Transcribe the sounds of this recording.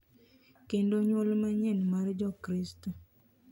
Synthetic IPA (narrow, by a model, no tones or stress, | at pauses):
kendoɲwolmaɲɛnmaɾd͡ʒɔkɾisto